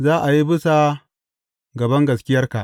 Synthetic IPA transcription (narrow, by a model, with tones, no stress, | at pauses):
zaː˦ʔa˨ji˦bʊ˦sa˨ | ɡɐ˨bɐ˦ŋɡɐ˨skʲɪ˦jɐ˦rka˨ʔ